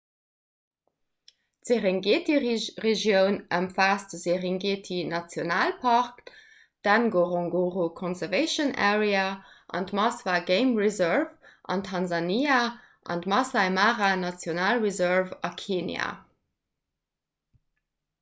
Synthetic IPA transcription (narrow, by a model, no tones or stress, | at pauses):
tz̥eʁeŋɡetiʁeʒjəʊnəmfaːsdəzeʁiŋɡetʰinɑt͡sjonaːlpʰɑʁk | d̥ænɡoʁɔ̃ŋɡoʁokʰɔ̃nzɛʁveɪʃənɛ̰ʁea | ʔɑ̰ndmɑsvaɡeɪmʁizəɹvʔɑ̰ntʰɑnzɑnia | ʔɑ̰ndmɑsɑɪmaʁanɑt͡sjonaːlʁizœʁvɑkʰeːnja̰